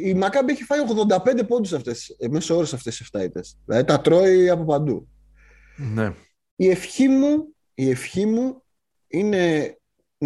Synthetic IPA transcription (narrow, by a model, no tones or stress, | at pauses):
imɐkɐbieçi̥fɐjo̞ɣðo̞nd̪ɐpe̞nd̪e̞po̞nd̪usɐft̪e̞semeso̞ɾesɐft̪e̞siseft̪ɐit̪e̞sðilɐ̰ðit̪ɐt̪ɾo̞iɐpo̞pɐnd̪ṵ | ne | ie̞fçimu | ie̞fçimu | ine̞